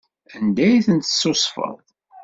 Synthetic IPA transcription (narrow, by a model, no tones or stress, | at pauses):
ænd̪æjθənt̪ə̥sːosˤfə̰ðˤ